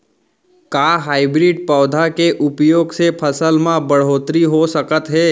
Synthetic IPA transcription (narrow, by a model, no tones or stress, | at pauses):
kaːɦaːɪbɾiɖpɔːd̪ʱakeʔʊpjoːɡsepʰəsəlmãbəɽ̤oːt̪ɾiɦosəkət̪ɦɛː